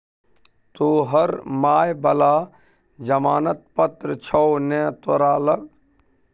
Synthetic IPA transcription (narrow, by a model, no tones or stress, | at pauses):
t̪oːɦəɾmaːjbɐlaː | d͡ʒəmaːnət̪̚pət̪ɾət͡ʃʰɔːnɛːt̪wəɾaːləɡ